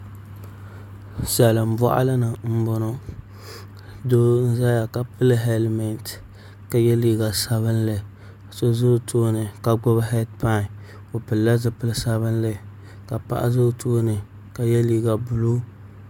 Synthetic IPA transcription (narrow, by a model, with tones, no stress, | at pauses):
sɛ˨lɨ˨m̩˦bɔ˦ʔa̰˦lɨ˦nɨ˨m̩˦bɔ˦nɔ˦ | doː˦n̩˦za˦ja˨ka˨pɨ˦lɨ˦ɦɛ˦lmɛ˨nt | ka˨jɛ˦liː˨ɡa˨sa˦βɨ˦nlɨ˨ | so˦zo˦tʰoː˦nɨ˨ka˨ɡ͡bʊ˦bhɛ˦d̚pa˦ŋ˨ | o˨pɨ˨lːa˦zɨ˨pɨ˦lɨ˦sa˦βɨ˦n˦lɨ˦˨ | ka˨pa̰˨ʔa̰˦zo˦tʰoː˦nɨ˨ | ka˨jɛ˦liː˨ɡa˨bʊ˨lu˦